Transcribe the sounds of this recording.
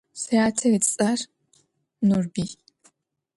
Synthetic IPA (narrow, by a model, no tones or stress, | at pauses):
sɐjaːtʰɐitʼt͡sʼɐr | nurbiː